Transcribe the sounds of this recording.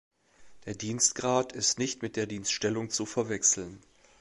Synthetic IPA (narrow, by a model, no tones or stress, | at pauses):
d̥eːɐdiːnstɡ̥ʁaːtɪstnɪçtmɪt̚d̥eːɐdiːnstʃtɛlʊŋt͡sufɛɐvɛksl̩n